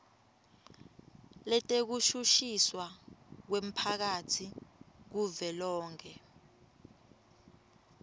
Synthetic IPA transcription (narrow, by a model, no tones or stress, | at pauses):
lɛtʼek̬uʃuʃiswak̬wem̩pʰak̬atʰik̬uvɛlɔːŋkʰɛ